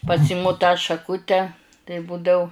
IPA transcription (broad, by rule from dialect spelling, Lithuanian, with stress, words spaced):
pɐˈsʲɪmʊ tɑː ʃɐˈkʊtʲɛ tɐɪ ˈbuːdɐʊ